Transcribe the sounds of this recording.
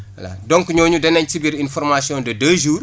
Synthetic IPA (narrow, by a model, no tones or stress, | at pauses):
ɐ̰la̰dɔŋkuɲɔːɲudɛnɐɲtibiɾinfɔrmasiɔ̃ndɐdəːʒuːr